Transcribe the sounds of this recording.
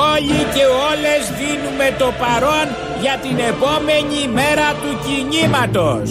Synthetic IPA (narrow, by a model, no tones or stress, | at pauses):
o̞ʎice̞o̞le̞zðinume̞t̪o̞pɐɾo̞n | ʝɐt̪ine̞po̞me̞ɲime̞ɾɐt̪uciɲimɐt̪o̞s